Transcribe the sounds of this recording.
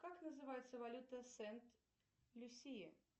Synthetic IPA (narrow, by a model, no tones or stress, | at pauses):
kaknəzɨvajɪt̪səvalʲut̪əsɛnt̪ | lʲʊsʲijə